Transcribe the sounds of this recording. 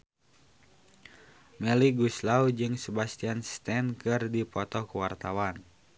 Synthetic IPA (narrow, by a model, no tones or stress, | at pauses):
mɛliɡuslawd͡ʒɨŋsəbast̪ianst̪ɛnkɨrdipɔt̪ɔkəwart̪awan